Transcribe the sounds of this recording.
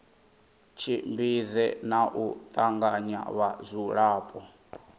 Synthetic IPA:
t͡ʃʰimbizɛnaʔut̪ʼaŋɡaɲa̰βazʷuɺaːpʼɔ

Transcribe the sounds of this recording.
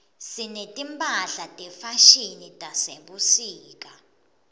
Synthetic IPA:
sinetʼimpʼaɮatʼɛfaʃinitʼaseɓusiːk̬ʼa

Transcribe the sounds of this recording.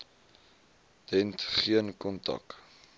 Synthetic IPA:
d̥ɛntχiənkɔntɐ̰k

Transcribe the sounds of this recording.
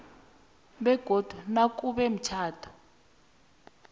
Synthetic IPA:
ɓɛɡ̥ʱod̥ʱunak̬ʼuɓɛm̩t͡ʃʰaːtʰɔ̥

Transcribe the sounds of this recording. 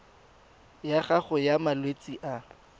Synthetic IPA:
jaχaχʊjamalwet͡sʼiʔa

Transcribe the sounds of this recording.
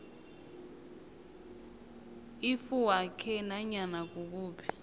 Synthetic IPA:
ifuwakʰɛnaɲanak̬ʼuk̬uːpʰi̥

